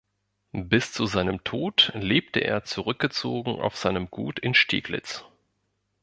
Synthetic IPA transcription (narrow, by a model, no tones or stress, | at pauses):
bɪst͡suzaɪnəmtʰoːtleːp̚təʔḛːɐt͡suʁʏk̚ɡ̥ət͡soːɡŋ̩ʔa̰ʊfz̥aɪnəmɡuːtʰɪnʃtʰḭːɡlɪ̰t͡s